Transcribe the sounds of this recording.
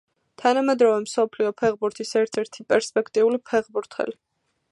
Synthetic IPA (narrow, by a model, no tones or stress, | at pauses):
t̪ʰanamɛd̪ɾɔvɛmsɔpʰliɔpʰɛʁbuɾt̪ʰisɛɾt̪ʰɛɾt̪ʰipʼɛɾspʼɛkʰt̪ʼiulipʰɛʁbuɾt̪ʰɛ̰li